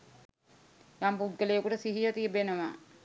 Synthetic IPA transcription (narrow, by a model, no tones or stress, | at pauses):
jampuɡːəlejəkuʈəsiɦijət̪ijəbenəʋa̰ː